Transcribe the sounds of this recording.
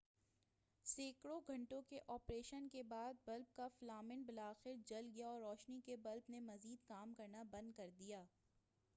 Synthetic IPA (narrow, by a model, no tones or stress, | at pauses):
seːkɽoɡʱɐ̃ɳʈõkeʔɔːpɾeːʃənkebaːd̪̚bɐlb̚kaflaːmɪnbɪlaːxɪɾd͡ʒɐlɡijaɔːɾːɔːʃnikebɐlbnemɐziːd̪kaːmkɐɾnabɐ̃nd̪̚kɐɾd̪ijaː